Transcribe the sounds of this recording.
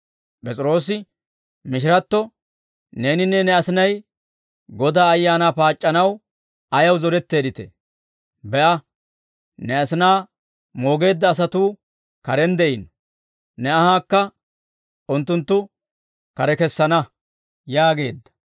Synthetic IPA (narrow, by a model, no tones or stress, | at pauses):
pʼɛt͡sʼɪɾo̞ːs̬ɪ | mɪʃ̬ɪɾɐt̪ːɔ | ne̞ːnɪnːɛnɛɐsɪnɐj | ɡɔd̪aːɐjːaːnaːpaːt͡ʃʼːɐnɐw | ɐjɐwzɔɾɛt̪ːe̞ːd̪ɪt̪ɛ̰ | bɛʔɐ | nɛɐsɪnaː | mo̞ːɡe̞ːd̪ːɐːs̬ɐt̪uː | kɐɾɛnd̪ɛʔɪn | nɛɐhaːkːɐ | ʔʊnt̪ːʊnt̪ːʊ | kɐɾɛkɛsːɐnɐ | jaːɡe̞̰ːd̪ːɐ̥